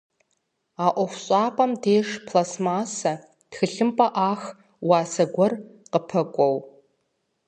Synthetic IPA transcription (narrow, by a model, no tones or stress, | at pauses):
aʔʷɔχʷɕʼaːpʼɐmdeːʂpʰlasmaːsɐ | d̥xɨɬɨmpʼɐʔaːx | waːsɐɡʷɔrqəpʰɐkʷʼow